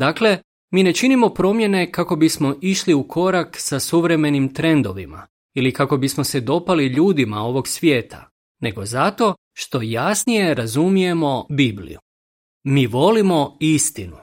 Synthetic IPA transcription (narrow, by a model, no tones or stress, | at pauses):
d̪aːkle̞ | miːne̞t͡ʃinimo̞pɾo̞mje̞ne̞kako̞bismo̞ʔiʃliukʰo̞ɾaksasuʋɾe̞me̞nimt̪ɾe̞nd̪o̞̰ʋḭma̰ | ilikako̞bismo̞se̞d̪o̞paliʎuːd̪imao̞ʋo̞ɡsʋje̞ːt̪ʰa̰ | ne̞ɡo̞zat̪o̞ | ʃt̪o̞jasnije̞ɾazumije̞mo̞biblḭjṵ | miːʋo̞limo̞ist̪inu